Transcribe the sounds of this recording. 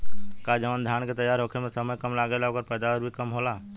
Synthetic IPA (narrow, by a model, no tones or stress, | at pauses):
kad͡ʒəʋand̪ʱjaːñket̪ɐjːaːɾɦoːkʰemẽsəməjkɐmlaːɡelaoːkəɾpɛːd̪aʋəɾbʱikɐmɦoːlaː